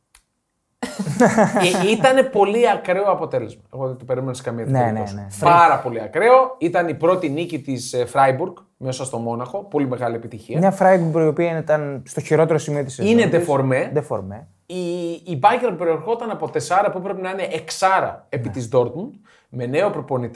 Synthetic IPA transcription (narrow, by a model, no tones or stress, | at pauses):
it̪ɐne̞po̞liɐkɾe̞oɐpo̞t̪e̞le̞zmɐopot̪et̪ope̞ɾimeneskɐmiɐt̪neneosnepɐɾɐpo̞liɐkɾe̞o̞it̪ɐnipɾo̞t̪inicit̪isfɾɐjbuɾɡ | me̞sɐst̪o̞mo̞nɐxo̞po̞lime̞ɣɐliepit̪içiɐmɲɐfɾɐjbubɾoio̞piɐint̪ɐnst̪o̞çiɾo̞t̪e̞ɾosimio̞t̪iseined̪efo̞ɾme̞d̪efo̰ɾme | iːbɐʝeɾɐpupe̞ɾie̞ɾxo̞t̪ɐnɐpo̞t̪esɐɾɐpupɾe̞pinɐine̞ʔeksɐɾɐ̰epit̪izd̪o̞ɾt̪mund̪̥̚ | me̞ne̞o̞pɾo̞po̞nit̪i